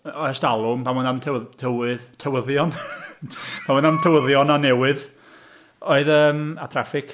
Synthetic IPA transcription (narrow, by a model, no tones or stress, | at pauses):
ɔstalˠʊmpʰamwəndamtʰtʰəwɨðtʰəwəðjɔn | pʰamwənamtʰəwəðjɔnanɛwɨð | oɨðəːma̰tʰrafɪkʰ